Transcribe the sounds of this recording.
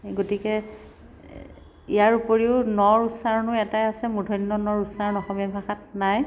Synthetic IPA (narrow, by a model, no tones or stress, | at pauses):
ɡotikɛ | ijaɹupoɹiʊnɔɹusaɹnʊɛtajasɛmudʱɔnːɔnɔɹusaɹnɔxɔmiabʱaxat̚naj